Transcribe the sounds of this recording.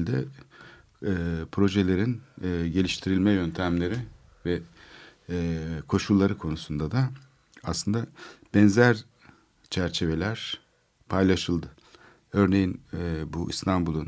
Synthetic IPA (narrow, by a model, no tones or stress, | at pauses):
lʲd̪ɛ | pʰɾo̞ʒe̞lʲe̞ɾinːɟe̞lʲiʃt̪ʰiɾilʲmɛjø̞nt̪ʰæmlʲe̞ɾi | vɛ | kʰo̞ʃulˠːaɾɯkʰo̞nusund̪ad̪a | aslˠɯnd̪ab̥ɛnzæɾ | t͡ʃʰæɾt͡ʃʰe̞ve̞lʲæɾ̥ | pʰajlˠaʃɯlˠd̪ɯ | ø̞ɾne̞jinbuʔḭst̪ʰambulˠun